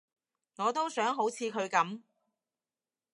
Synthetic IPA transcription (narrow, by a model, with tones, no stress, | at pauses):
ŋɔː˨˧t̪o˥wsœː˨˥ŋɦo˨˥wt͡sʰiː˨˧kʰɵ˨˧ɥkɐ˨˥m